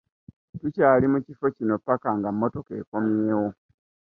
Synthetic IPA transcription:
tucaːlimucifo̞cino̞pakaŋɡamːo̞to̞kḛːko̞mjeːwo̞

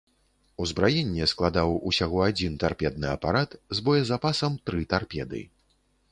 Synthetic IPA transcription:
uzbɾajɛnʲːɛsklˠad̪awusʲaɣɔad͡zʲint̪arpʲɛd̪̚nɨɐ̰pa̰ɾat̪zbɔjɐzapasɐmt̪ɾɨt̪arpʲɛ̰d̪ɨ̰

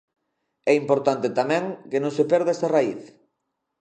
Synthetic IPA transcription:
ɛimpoɾt̪ant̪et̪amɛ̃ŋkenõŋsepɛɾðɛsaraiθ

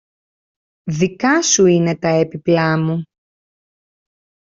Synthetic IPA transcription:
ðikɐsuine̞t̪ɐepiplɐmu

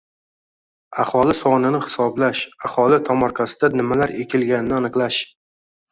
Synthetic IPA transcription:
ahɒlɪsɒnɪnɪhɪ̥sɒblaʃahɒlɪt̪ʰɒmɒɾqʰasɪd̪anɪmalaɾekʲʰɪlɡʲanɪnɪanɨqlˠaʃ

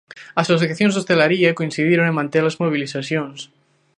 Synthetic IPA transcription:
asosθθjaθjonzðost̪elaɾiakoinθiðjeɾoneŋmãnt̪elazmoβ̞iliθaθjons

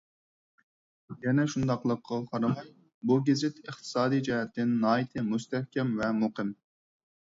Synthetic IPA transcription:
jɛnɛʃund̪ɑqlˠəqʰːɑqʰɑɾɑmɑj | buɡʲɪzɪt̪əχt̪ʰɨ̥sɑːd̪ijd͡ʒɑhɛt̪ːɪnːɑːjit̪ʰɨmust̪ɛhkʲɛmvɛmuqʰɨm

